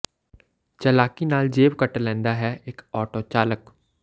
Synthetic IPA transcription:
t͡ʃəlaːkinaːld͡ʒeːbkəʈlɛ̃ːnd̪aɦɛɪkɔːʈot͡ʃaːlək

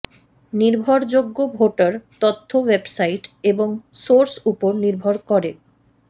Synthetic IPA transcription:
niɾbʱoɾd͡ʑoɡːobʱoʈaɾt̪ot̪ʰːowebsajʈeboŋsoɾsupoɾniɾbʱoɾkɔɾe

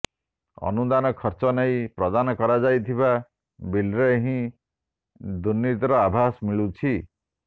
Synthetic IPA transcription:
ɔ̰nud̪anɔkʰɔɾt͡ʃɔneĩpɾɔd̪anɔkɔɾad͡ʒajt̪ʰiba | bilɾeɦĩ | d̪unːit̪ɔɾɔabʱasmiɭut͡ʃʰi

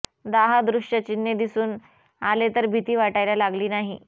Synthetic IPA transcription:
d̪aɦad̪ɾuʂʈət͡ɕinːjed̪isuːn | alet̪əɾbʱit̪iːʋaʈajljalaɡliːnaɦi

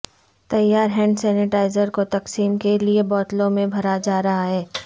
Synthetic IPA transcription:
t̪ɐjaːɾɦɛ̃ːɳɖsɛːnɪʈaːɪzəɾkot̪ɐqsiːmkeliebɔːt̪lõmẽbʱɐɾad͡ʒaːɾɐɦaɦɛː

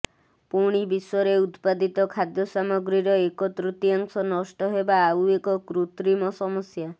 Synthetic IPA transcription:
puɽ̃ibiswɔɾeut̪pad̪it̪ɔkʰad̪jɔsamɔɡɾiɾɔekɔt̪ɾut̪iaŋsɔnɔsʈɔɦebaːuekɔkɾut̪ɾimɔsɔmɔsja

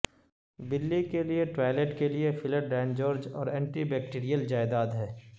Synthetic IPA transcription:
bɪlːikelieʈɾaːɪleːʈkeliefɪlɪp̚ɖɛ̃ːnd͡ʒɔːɾd͡ʒɔ̰ːɾɛ̃ːɳʈibɛːk̚ʈiːɾijəld͡ʒaːɪd̪aːd̪ɦɛː

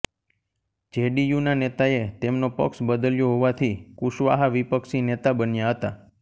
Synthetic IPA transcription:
d͡ʒeɖijunanet̪aet̪emnopə̰ksbəd̪əljoɦoʋat̪ʰikuʃʋa̰ɦaʋipəkʃinet̪abənjaɦət̪a

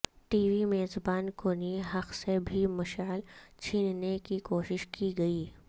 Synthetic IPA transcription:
ʈiːʋimeːzbaːnkoːniɦɐqsebʱimɐʃaːlt͡ʃʰiːnnekikoːʃɪʃkiɡɐiː

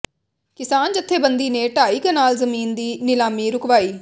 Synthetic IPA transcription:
kɪsaːnd͡ʒət̪ʰːeːbənd̪iːneːʈaːiːkənaːlzəmiːnd̪iːnɪlaːmiːɾʊkʋaːiː

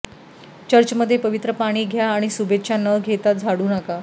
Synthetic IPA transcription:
t͡ɕəɾt͡ɕəməd̪ʱːjepəʋit̪ɾəpaɽ̃iːɡʱjaːɽ̃isubet̪ɕanəɡʱet̪at̪̚d͡zʱaɽuːnaka

